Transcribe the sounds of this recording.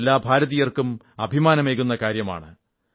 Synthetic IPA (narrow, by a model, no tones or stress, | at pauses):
lːaːbʱaːɾɐðijɐrkum | ɐbʱimaːnɐme̞ːɣunːɐkaːɾjɐma̰ːɳɨ